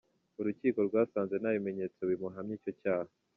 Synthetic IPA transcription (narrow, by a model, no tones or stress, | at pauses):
uɾuciːko̞ɾɡwaːsaːnze̞naβime̞ɲe̞ːt͡sowimuɦamɲiːco̞caːha